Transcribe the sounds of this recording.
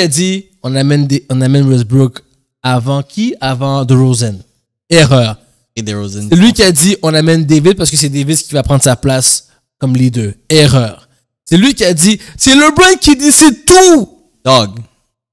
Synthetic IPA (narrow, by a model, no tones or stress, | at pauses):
ad̪i | ɔ̃namɛnd̪eɔ̃namɛnwɛzbuk | avɑ̃kʲʰiavɑ̃d̪əʁozɛn | eʁœːʁ | d̪əozɛɛlɥikʲiad̪iʔɔ̃namɛnd̪evid̪̚paʁsə̥kəs̬ɛd̪evid̪̚kʲivapχɑ̃d̪ʁsaplas | kɔmlid̪øɛʁœːʁ | sɛlɥikʲiad̪isɛlɔbʁɛ̃ŋkʲid̪isɛt̪u | dɔɡ